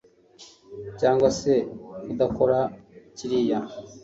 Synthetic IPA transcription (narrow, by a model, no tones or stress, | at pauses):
caːŋɡwasekud̪ako̞ɾaciɾija